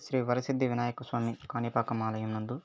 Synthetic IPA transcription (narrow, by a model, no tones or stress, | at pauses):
ʃɾiːʋɐɾɐsid̪ʱːiʋinaːjɐkɐsʋaːmikaːnjipaːkɐmaːlɐjɐmnɐnd̪u